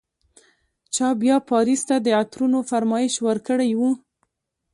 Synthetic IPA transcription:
t͡ʃɑbjɑpɑɾist̪ad̪əat̪ɾunofaɾmɑjɪʃwəɾkəɽajwu

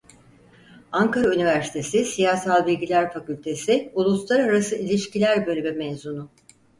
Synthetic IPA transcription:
aŋkaɾaynivæɾsi̥t̪ʰe̞sisijaːsalˠbilʲɟilʲæɾfacylʲt̪ʰe̞sɪulˠuslˠaɾaɾasɯilʲiʃcilʲæɾbø̞lʲymymɛzunʊ

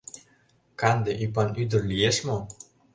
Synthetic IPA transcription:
kɑnd̪eʔypɑnyd̪ə̆rlijeʃmo

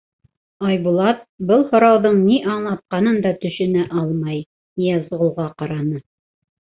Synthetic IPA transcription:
ɑjbulˠɑt̪̚bɤlˠhŏɾɑwðɤɴniʔɑɴlˠɑt̪̚qɑnɤnd̪ɑt̪ɵ̆ʃɘ̆næʔɑlˠmɑj | niæzʁŏlˠʁɑqɑɾɑnɤ

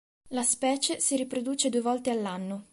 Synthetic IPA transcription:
laspɛːt͡ʃesiɾipɾod̪uːt͡ʃed̪uevɔlt̪ealːanːo

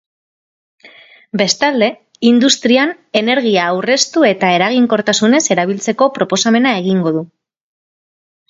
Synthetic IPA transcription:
be̞st̪ald̪e̞ | ind̪ust̪ɾian | e̞ne̞ɾɣ̞iaːwre̞st̪ue̞t̪ae̞ɾaɣ̞iŋko̞ɾt̪asune̞se̞ɾaβ̞ilt͡se̞ko̞pɾo̞po̞same̞nae̞ɣ̞iŋɡo̞ðu

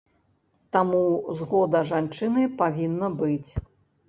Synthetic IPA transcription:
t̪amuzɣɔd̪ɐʐant͡ʂɨnɨpavʲinːɐbɨt͡sʲ

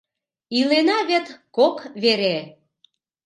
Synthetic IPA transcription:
ilenɑβet̪kokβeɾe

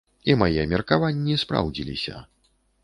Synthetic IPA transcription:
imajɛmʲɛrkavanʲːispɾa̰wd͡zʲilʲḭsʲɐ̰

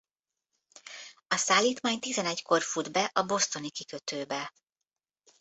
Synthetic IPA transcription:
ɒsaːlːiːt̪maːɲt̪izɛnɛɟko̞rfud̪bɛʔɒbo̞st̪o̞nikikø̞t̪øːbɛ

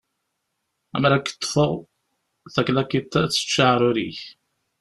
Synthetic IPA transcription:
æmɾækːə̥t̪ˤːfəʁ | θæklækit̪æt͡sːə̥t͡ʃːaʕɾˤʊɾḭç

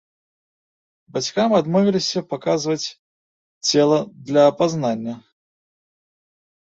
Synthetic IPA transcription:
bat͡sʲkamad̪mɔvʲilʲisʲɐpakazvɐt͡sʲ | t͡sʲɛlˠɐd̪lʲɐːpaznanʲːɐ

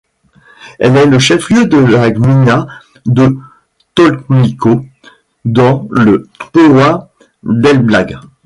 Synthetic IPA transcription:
ɛ̰lɛləʃɛfljød̪əlaɡmina | d̪ə | t̪ɔlkniko | d̪ɑ̃ləpowa | d̪ɛlblaɡ

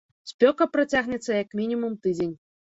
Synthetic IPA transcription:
sʲpʲɔkɐpɾɐtʲaɣnʲɛt̪sɐjakmʲinʲimumt̪ɨdʲenʲ

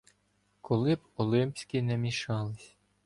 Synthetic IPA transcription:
kʰɔlˠɪbɔlˠɪmpʲsʲkʲinɛmʲiʃɑlˠɪsʲ

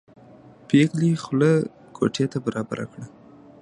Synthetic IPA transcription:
peɣlixlə | ɡo̰ʈjet̪abaɾɑba̰ɾʔa̰kɽa

